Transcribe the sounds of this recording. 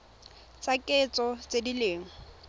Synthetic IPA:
t͡sʼakʼɛt͡sʼɔt͡sʼedileːŋɔ

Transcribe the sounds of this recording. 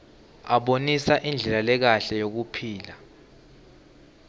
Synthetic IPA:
aɓonisaʔind͡ɮʱɛlalɛk̬aɬɛjok̬upʰiːla

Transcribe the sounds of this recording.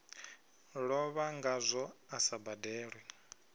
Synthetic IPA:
ɺɔβaŋɡazʷɔasabadɛːɺwɛ

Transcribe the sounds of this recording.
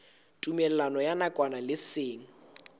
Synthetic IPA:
tʼumɛlɛlanɔjanakʼwanalɪseːŋ̩

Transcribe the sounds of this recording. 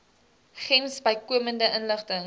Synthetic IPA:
χɛnsbəjkuəməndəʔənləχtəŋ

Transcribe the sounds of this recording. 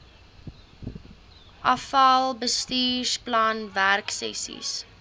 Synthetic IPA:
ʔɐfɐlˠbəstiːsplɑːnværksɛ̰sḭs

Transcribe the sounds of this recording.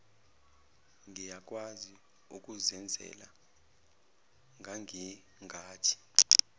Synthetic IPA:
ŋijak̬ʼwazi | ṵk̬ʼuzɛnd͡zʱɛ̰la̰ | ŋʱaŋi | ŋʱaːtʰi̥

